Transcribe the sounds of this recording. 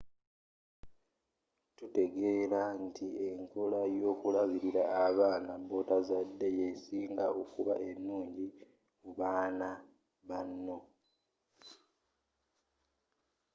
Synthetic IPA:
tute̞ɡe̞ːlantieŋko̞lajo̞ːkulaβiɾiɾaːβaːnabo̞tazadːe̞jesiːŋɡao̞kuβa̰ʔe̞nːuːɲɟi | muβaːna | βanːo̞

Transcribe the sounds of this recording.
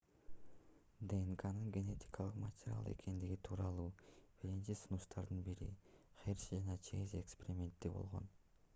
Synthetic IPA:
d̪eŋkanɯŋɡʲe̞ne̞t̪ʲi̥kɑlˠɯqmatʲɪɾʲa̰lˠḛkʰe̞nd̪iɡit̪ʰuːɾɑlˠuːb̥iɾint͡ʃisunuʃt̪ʰɑɾd̪ɯnbiɾḭχersd͡ʒɑnɑt͡ʃʰezekspʲeɾʲɪmʲe̞nt̪ːibo̞̰lˠʁo̞̰n

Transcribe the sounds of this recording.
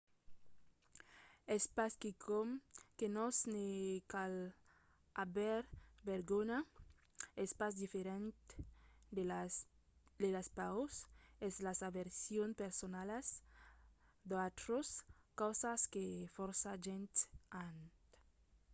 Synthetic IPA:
espaskikʰomkenosnekal | aβeɾbeɾɣona | espasd̪ifeɾent̪ | d̪elaspawsezlasaβeɾsjonpeɾsonalas | d̪at̪ɾoskawsaskefɔɾsaʒent̪ant̪

